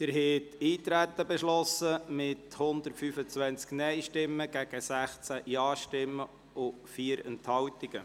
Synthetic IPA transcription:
d̪̥əɾɦɛtiːt̪ɾæt̪ːəbɛʃlɔsəmɪthʊnd̪əɾtfyːfət͡sʋænt͡sknɛɪʃtɪmːəɡ̥æɡ̥əsæχt͡sæjɑːʃtɪmːə | ʊ | fiːəɾɛ̰nthɑwt̪iɡ̥ə

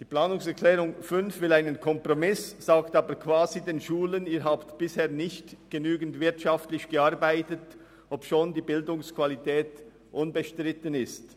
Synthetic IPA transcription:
d̥iːpl̥aːnʊŋsɛʁkʰlɛːʁʊŋfʏnfvɪlaɪnənkʰɔmpʁɔmɪsz̥aːktaːbəkʰv̥aːzideːnʃuːləniːɦaːptb̥ɪsheːɐnɪçtɡ̥ənyːɡən̩tvɪʁtʃaftlɪçɡ̥əaɐbaɪtət | ʔɔpʃoːndiːbɪldʊŋskʰv̥alitʰɛːt | ʔʊnbəʃtʁɪtənɪst

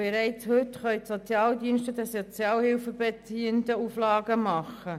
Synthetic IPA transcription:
b̥eɾɛɪt͡shʏtχœʏtsot͡sjɑːldiənʃtədɛsot͡sjɑːlhɪlfəbet͡siəndəuflɑːɡəmɑχə

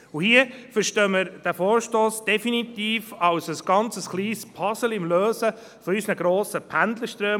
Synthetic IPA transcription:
uhiəfəɾʃtøːməɾd̥æfoːɾʃtoːsd̥ɛfinit̪iːfɑwsəsɡ̥ɑnt͡səsχliːspʰɑsəlɪmløːsə | fɔɾysnəɡɾoːsəpʰænd̪ləʃtɾøː

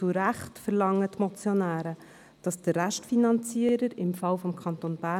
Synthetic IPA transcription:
t͡suɾæχtfəɾlɑŋːətmɔt͡sjonæːɾə | d̥ɑsd̥ərːæʃtfinɑnt͡siəɾəɾɪmfɑwfɔmkʰɑnt̪onb̥æ

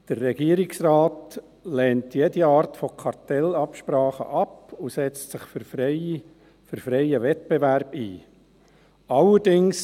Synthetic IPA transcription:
d̥ərːɛɡ̥iəɾɪksrɑːt | lɛːntjediɑːɾtfokʰɑɾtɛlɑpʃpɾɑːχə̰ʔɑpusɛt͡stsɪχff | føɾfɾɛɪəʋɛt̚bɛʋæɾbḭː | ɑlːəɾdɪŋs

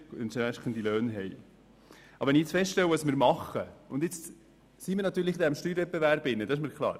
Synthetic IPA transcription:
ʊnʃæʃχənd̥̪iløœːnɦɛj | ʔɑbəʋɛnɪiet͡sfɛstʃtɛwəɑsmɪːɾmɑχəʊndɪt͡s | simiɾnɑt̪ːyːɾlɪχd̪ɛɪmʃtyːɾvɛt̚bevæɾbɪnːədɑɪʃmiːɾkʰlˠɑ̰ːɾ

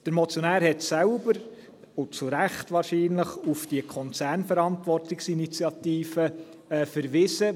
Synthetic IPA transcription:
d̥əɾmɔt͡sjɔnæːɾhɛtsælbəɾ | ʊt͡suɾæχtʋɑːɾʃiːnləχufd̥iəkʰɔnt͡sæːɾnfəɾɑntʋɔrtɪksinit͡sjɑt̪iːfə | fəɾʋɪsə

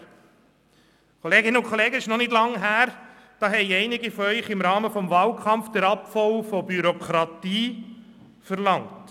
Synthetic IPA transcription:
kʰɔleːɡɪnəʊnkʰːɔleːɡəɪʃnɔnɪdlɑŋɦæːɾ | d̥ɑːɦɛɪɛɪnɪɡəfɔœʏχɪmɾɑːməfɔmvɑːlkʰɑmfd̥ɛɾɑpfɔwfɔbyɾɔkʰɾɑtiː | fəɾlɑŋt

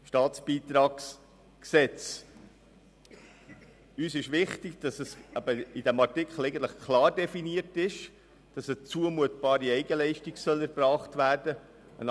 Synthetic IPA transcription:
ʃtɑːt͡sb̥iːt̪ɾɑːks | ksɛt͡s | yːsɪʃʋɪχtɪɡd̥ɑsəsæbəid̥æmɑɾtɪkχl̩ˠɛɪɡən̩t̪ləχkʰlɑːɾdɛfiniətɪʃ | d̥ɑsət͡suəmuətb̥ɑːɾiɛɪɡəlɛɪʃtiɡsœlæɾbrɑːχtvæːɾdə | ə̰n

